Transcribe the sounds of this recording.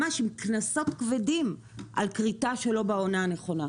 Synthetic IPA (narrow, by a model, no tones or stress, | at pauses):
aʃimknaso̞tkvedim | ʔa̰lkʁitaʃelo̞baonaaneχo̞na